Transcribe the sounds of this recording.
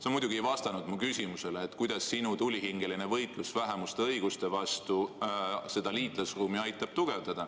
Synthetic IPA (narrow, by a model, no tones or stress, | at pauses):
seonmujd̪̥ʲuɡ̥ievɑst̪ɑnud̪mukysʲimuse̞leːt̪ˑkujd̪̥ɑsːinut̪ulʲːiɦiŋɡ̥eline̞vɤjt̪ˑlusvæɦemust̪eɤjɡ̥ust̪e̞vɑst̪u | se̞d̪̥ɑliːt̪ˑlɑsruːmiɑjt̪ːˑɑb̥t̪uɡ̥e̞vd̪ɑd̪̥ɑ